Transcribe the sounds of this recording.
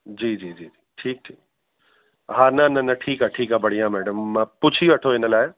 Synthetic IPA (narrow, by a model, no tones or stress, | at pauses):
d͡ʒiːd͡ʒiːd͡ʒiːd͡ʒiːʈʰiːk̚ʈʰiːk̚ | ɦaːnanɐnɐʈʰiːkɦaʈʰiːkɦabɐɽ̤ijãmɛːɖəmːpuːt͡ʃʰiɐʈʰoenɐlaːja